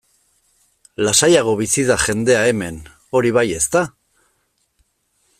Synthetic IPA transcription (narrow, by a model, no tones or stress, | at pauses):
lasajaɣo̞βisiðaʝe̞nd̪e̞ae̞me̞n | o̞ɾiβaje̞st̪a